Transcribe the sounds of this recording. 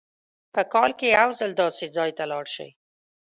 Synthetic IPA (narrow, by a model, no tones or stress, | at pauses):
pəkɑlkejawzəld̪ɑsed͡zɑjt̪alɑɽʃə̰j